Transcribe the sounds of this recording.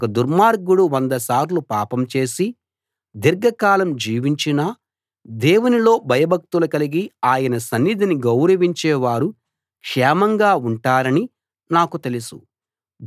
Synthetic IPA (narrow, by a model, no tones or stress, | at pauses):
kɐd̪uɾmaːɾɡuɽuʋɐnd̪ɐsaːɾlupaːpɐmt͡ʃe̞ːsi | d̪iɾɡɐkaːlɐmd͡ʒiːʋiɲt͡ʃinɐ | d̪ɛːwunilo̞ːbʱɐjɐbʱɐk̚t̪ulɐkɐliɡiaːjɐnɐsɐnːid̪ʱiniɡɐwɾɐʋiɲt͡ʃɛːʋaːɾu | kʂɛːmɐŋɡaːuɳʈaːɾɐni | naːkut̪e̞lisṵ